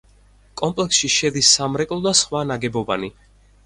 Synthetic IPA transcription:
kʼɔmpʼlɛksʃiʃɛd̪isːamɾɛkʼlˠɔd̪asχwanaɡɛbɔbani

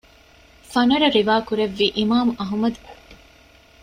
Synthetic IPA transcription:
fɐnɐɾɐɾiʋaːkuɾeʋːiːʔimaːmuɐɦumɐd̪u

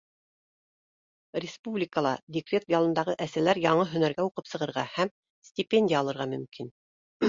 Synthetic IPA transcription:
rʲɪspublʲɪkəlˠɑdʲɪkrʲe̞t̪jɑlˠɤ̆nd̪ɑʁɤʔæsælæɾjɑɴɤɦɵ̆næɾɡæuqɤpsɤ̆ʁɤ̆ɾʁɑhæm | sʲtʲɪpʲenʲdʲijəɑlˠɤ̆ɾʁɑmɵ̆mkin

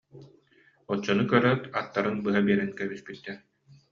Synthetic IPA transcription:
ɔt͡ɕːɔnɯkœɾœt̪at̪ːaɾɯnbɯɦabiɛɾɛnkɛbispit̪ːɛɾ

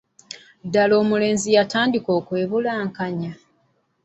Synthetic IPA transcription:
dalo̞ːmule̞ːnzijataːndiko̞ːkwe̞ːβulaːŋkaɲa

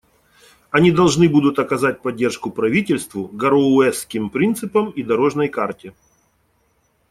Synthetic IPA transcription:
ɐnʲid̪ɐlˠʐnɨbud̪ʊt̪ɐkɐzat̚ʲpɐdʲːe̞rʂkʊpɾɐvʲitʲɪlʲst̪vʊɡɐɾoʊɛskʲɪmpɾʲint̪sɨpəmid̪ɐɾo̞ʐnəjkartʲɪ

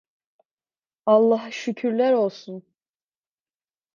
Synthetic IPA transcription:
ɑlˠːɑɦʃycʰyɾlʲæɾo̞lˠsun

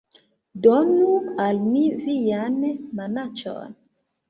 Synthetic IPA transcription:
dɔnualmivijanmanat͡ʃɔ̰n

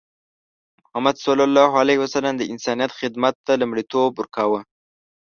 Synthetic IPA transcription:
mʊhamad̪salɑlːɑɦalehwasalamd̪əɪnsɑnijat̪xɪd̪mat̪ːalamɽit̪obʊɾkawə

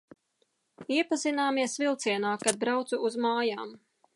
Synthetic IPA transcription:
iɛpazinaːmiɛsvilˠt̪siɛnaːkad̪̚bɾawt̪suuzmaːjaːm

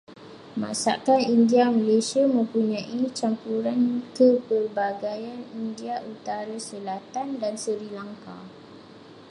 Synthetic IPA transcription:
mã̰sa̰kanindiamalesiamə̃mpuɲãʔit͡ʃampuɾankəbərbaɡajanindiaʔut̪aɾasəlat̪andansəɾilaŋka

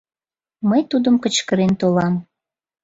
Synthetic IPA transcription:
məjt̪ud̪əmkət͡ɕkəɾent̪olɑm

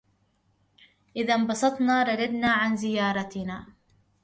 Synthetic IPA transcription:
ʔɪðambɑsˤɑt̪ˤnɑːɾˤɑdad̪naːʕanzɪjɑːɾˤɑt̪naː

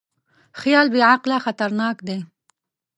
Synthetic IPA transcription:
xjɑːlbiʕaqlaxat̪aɾnɑːkd̪e

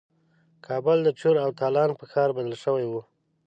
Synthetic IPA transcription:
kʰɑbʊld̪ət͡ʃoɾawt̪ɑlɑnpəxɑɾbad̪əlʃəwajwu

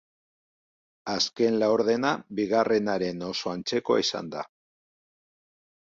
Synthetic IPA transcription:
aske̞nlaoɾðe̞nabiɣare̞naɾe̞no̞so̞ant͡se̞ko̞̰isa̰nd̪a̰

